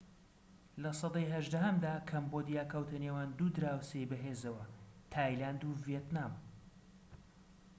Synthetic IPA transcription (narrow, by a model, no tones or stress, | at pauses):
lɐsɑd̪ɑjɦɐʒd̪ɐɦɐmd̪aːkʰɐmbod̪ijaːkʰɐwt̪ʰɐnewaːnd̪uːd̪ɾaːwsejbɐɦeːzɐwɐt̪ʰaːjlaːnd̪uvijet̪naːm